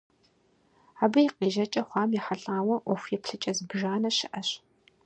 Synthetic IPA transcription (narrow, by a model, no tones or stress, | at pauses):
aːbɐjqʼiːʒɐt͡ʃʼɐχʷɑːmjiħaɬʼaːwɐʔʷɔfʷjɛpɬɨt͡ʃʼɐzɨbʒaːnɐɕɪʔɐɕ